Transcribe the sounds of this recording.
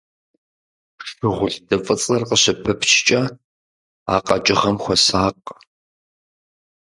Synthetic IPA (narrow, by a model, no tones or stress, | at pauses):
ɬɨʁʷʊɮdɐfʼɨt͡sʼɐrqəɕɪpʰɨpʰʃt͡ʃʼɐ | a̰ːqʼɐt͡ʃʼɪχɐmxʷɔsaːqʼ